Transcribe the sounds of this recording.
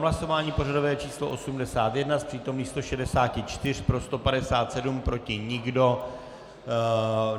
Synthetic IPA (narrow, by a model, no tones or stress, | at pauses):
ɦlaso̞vaːɲiːpo̞rado̞vɛːt͡ʃiːsloʔo̞sumdɛsaːt̪jɛdnaspr̥iːt̪o̞mniːxst̪o̞ʃɛdɛsaːcɪt͡ʃt̪ɪr̝̥pɾo̞st̪o̞padɛsaːt̪sɛdumpɾo̞cɪɲɪɡdo̞